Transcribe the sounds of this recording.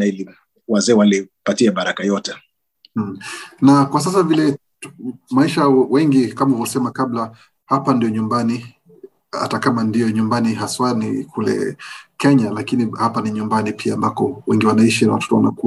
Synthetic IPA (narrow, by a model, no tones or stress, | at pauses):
aili | wazɛːwalipatiamaɾakajɔtɛ | nakwas̬as̬avilɛ | maiʃawɛŋɡikamauvɔsɛmakabla | hapandijɔɲumbani | a̰takamandijɔɲumbaniɦaswanḭkʰulɛ̰kɛɲalakinihapaniɲumbanipʰiaːmbakɔwɛŋɡiwanaiʃina̰watɔ̥tɔwa̰na̰ku